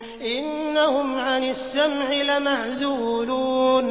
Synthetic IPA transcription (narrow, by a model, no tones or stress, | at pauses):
ʔɪnːahʊmʕanɪsːamʕɪlamaʕzuːluːn